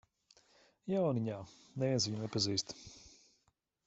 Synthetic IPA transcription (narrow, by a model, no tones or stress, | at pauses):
jawniɲaːnɛviɛnsviɲnɛpaziːst̪